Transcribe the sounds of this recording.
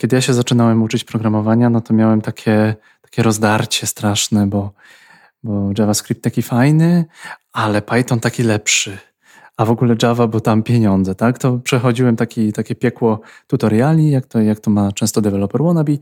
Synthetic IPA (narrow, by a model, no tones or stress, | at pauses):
kʲjɛd̪ɘjaɕɛzat͡ʂɘnawɛmut͡ʂɘt͡ɕpɾɔɡɾamɔvaɲanɔt̪ɔmʲjawɛmt̪akʲʰɛ | t̪ḁkʲɛɾɔzd̪aɾt͡ɕɛst̪ɾaʂnɛbɔ | bɔʐavaskɾʲip̚t̪akʲifajnɘʔalɛpajt̪ɔnt̪akʲilɛpʂɘ | avɔɡulɛd͡ʐavabɨwt̪ampʲjeɲɔnd̪zɛt̪akt̪ɔpʂɛxɔd͡ʑiwɛmt̪akʲit̪akʲɛpʲjɛkwɔt̪ut̪ɔɾjalʲɲijakt̪ɔjak̚t̪ɔmat͡ʂɛ̃st̪ɔd̪ɛvɛlɔpɛɾwɔnabʲi